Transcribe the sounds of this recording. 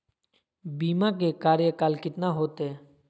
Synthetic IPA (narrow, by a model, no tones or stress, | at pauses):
biːmak̬ekaːɾjəkaːlkɪt̪naɦoːt̪eː